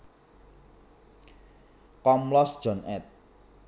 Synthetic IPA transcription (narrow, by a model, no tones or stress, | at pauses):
kɔmlɔsd̥ʒ̥ɔ̤nɛt̪̚